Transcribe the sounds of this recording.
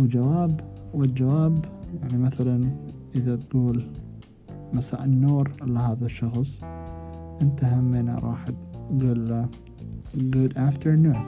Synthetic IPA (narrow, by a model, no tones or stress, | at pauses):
wɪd͡ʒawaːbwɪld͡ʒawaːbjaʕnimaθalanʔɪðat̪ɡ̥uːl | masa̰ːʔɪnːoːɾʔɪlːaɦaːðaʃːɑxsˤ | ʔɪnt̪ahamːɪna̰ɾˤɑ̰ːħt̪ɡuːlːa | ɡʊd̪ʔaft̪əɾnuːn